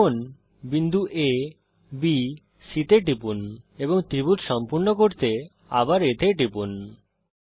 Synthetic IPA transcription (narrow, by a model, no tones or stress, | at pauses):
on | bind̪ʱuʔe | bi | sit̪eʈ̬ɾipuneboŋt̪ɾibut̪ʃɔmpuɾnokoɾt̪e | a̰baɾet̪ʰeʈɾipun